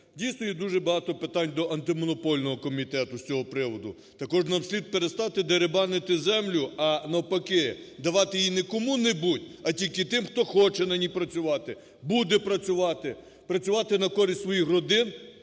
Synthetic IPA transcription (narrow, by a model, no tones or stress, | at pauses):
dʲijsnɔjid̪uʒɛbɐɦɑt̪ɔpɪt̪ɑnʲd̪ɔʔɐnt̪ɪmɔnɔpɔlʲnɔɦɔkɔmʲit̪ɛt̪ʊsʲt͡sʲɔɦɔpɾɪʋɔd̪ʊ | t̪ɐkɔʒnɐwsʲlʲid̪̚peɾest̪ɑt̪ɪd̪eɾebɑnɪt̪ɪzɛmlʲʊɐnɐwpɐkɪd̪ɐʋɑt̪ɪjinɛkɔmunɛbutʲɐtʲilʲkɪt̪ɪmxt̪ɔxɔt͡ʃɛnɐnʲipɾɐt͡sʲʊʋɑt̪ɪ | bud̪ɛpɾɐt͡sʲʊʋɑt̪ɪ | pɾɐt͡sʲʊʋɑt̪ɪnɐkɔɾʲisʲt̪sʋɔjixrɔd̪ɪn